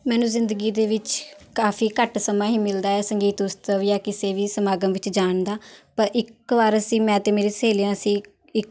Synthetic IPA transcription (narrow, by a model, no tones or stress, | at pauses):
mɛːnũːzɪnd̪əɡiːd̪eːʋɪt͡ʃkaːfʰiːkəʈsəmãːɦiːmɪld̪aːɛːsəŋɡiːt̪ʊst̪əʋjaːkɪseːʋiːsəmaːɡəmʋɪt͡ʃd͡ʒaːɳd̪aːpəɾʔɪkʋaːɾəsĩːmɛ̃ːt̪eːmeːɾeːseːljãːəsĩː | ɪk